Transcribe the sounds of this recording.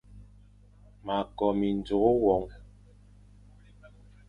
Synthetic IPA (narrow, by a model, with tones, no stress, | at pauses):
ma˨kɔ˨mi˨n̩˨d͡zo˨o˦wɔ˨˦ŋ